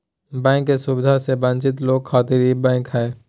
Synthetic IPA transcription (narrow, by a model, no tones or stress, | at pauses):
bɛ̃ːkːesʊbɪd̪ʱasebə̃nt͡ʃɪt̪̬loːɡ̚kʰaːt̪ɪɾibɛ̃ːkɦɛː